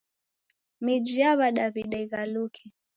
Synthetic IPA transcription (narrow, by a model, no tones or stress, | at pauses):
mid͡ʒiaβaɗaβiɗaiɣalukʰi